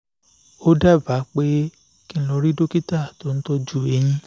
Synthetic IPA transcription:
o˦da˦˨ba˨˦k͡pe˦ | kĩ˦˧˦lɔ˧ɾi˦do˦ki˦ta˦˨to˦n̩˦tɔ˦d͡ʒu˦˨e˧˦j̃ĩ˧

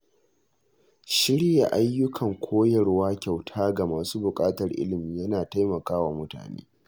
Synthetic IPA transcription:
ʃɪ˦ɽja˨ʔa˦jːʊ˦kʰɐ˨ŋkʷʰoː˦jɐ˨rwaː˦kʲa˨wtʰaː˦ɡa˨maː˨suː˦bʊ˨kʼaː˦tɐ˨rʔɪ̰˦lɪ˨miː˦jɐ˦naː˨ta˦jmɐ˨kaː˦waː˨mʊ˦ta̰ː˨nḛː˦

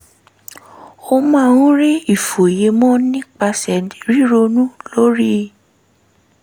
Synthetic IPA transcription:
o˧mã˦˧ũ˦ɾi˦i˦˨fo˨je˨˧mɔ̃˦nĩ˦k͡pa˧sɛ˨i˨ɾi˦ɾo˧nũ˦lo˦ɾi˦

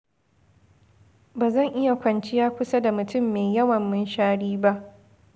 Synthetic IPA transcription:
baː˨zɐ˦˨ŋʔɪ˦ja˨kʷɐ˨nt͡ʃɪ˦jaː˦kʷʊ˦sa˦da˨mʊ˨tʊ˦mːeː˨jjɐ˦wɐ˨mːɪ˦nʃaː˦ɽiː˦ba˦ʔ

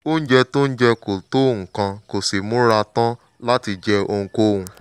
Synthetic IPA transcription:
o˦n̩˦d͡ʒɛ˧to˦n̩˦d͡ʒɛ˧ko˨to˦˨ŋ̩˨kã˧ko˨si˨mũ˦ɾa˧tã˦ | la˦ti˧d͡ʒɛ˧o˧ŋ̩˧ko˦hũ˧

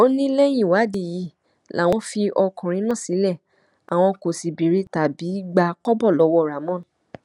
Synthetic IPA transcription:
o˦nĩ˦lɛ˦j̃ĩ˦˨wa˨˦di˨ji˨˧˦ | la˨˦˨w̃ɔ̃˧˦fi˧ʔɔ˧kũ˨ɾ̃ĩ˨˦nã˦˨si˨˦lɛ˦˨ | a̰˨w̃ɔ̃˧ko˨si˨bi˨ɾe˧˦ta˨bi˨˦ɡ͡ba˧kɔ˦bɔ˦˨lɔ˨˦wɔ˧˨ɾa˨mɔ̃˦

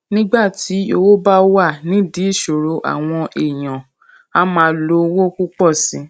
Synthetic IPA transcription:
nĩ˦ɡ͡ba˦˨ti˨˦o˧wo˦ba˦wa˦˨nĩ˨˦di˨˦i˦˨ʃo˨ɾo˧ʔa̰˨w̃ɔ̃˧ʔe˨j̃ã˨ | a˦mã˧˦lo˧wo˦ku˦k͡pɔ˦˨sĩ˨˦

